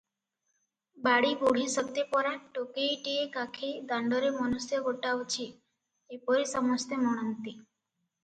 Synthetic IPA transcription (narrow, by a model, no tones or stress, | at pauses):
baɽiɡoɽ̤isəkt̪epɔɾaʈokeʈiekakʰed̪ãɳɖɔɾemɔnusjɔɡoʈaʋt͡ʃʰiː | pɔɾisəmɔst̪emɔɽ̃ənt̪i